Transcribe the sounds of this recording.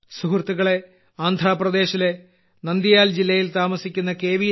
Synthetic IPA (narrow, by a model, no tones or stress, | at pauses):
suhrt̪ːuɣɐɭe̞ | aːnd̪ʱɾaːprɐd̪e̞ːɕile̞ | nɐnd̪jijaːld͡ʑilːɐjilt̪aːmɐsikʲːunːɐke̞ːʋi